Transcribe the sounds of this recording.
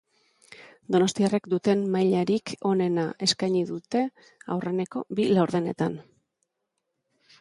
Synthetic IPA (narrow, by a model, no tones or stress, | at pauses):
d̪o̞no̞st̪iarekd̪ut̪e̞nmajʎaɾikʰo̞ne̞naʔe̞skajɲiðut̪e̞ | a̰wre̞ne̞ko̞̰bilawɾðe̞ne̞̰t̪an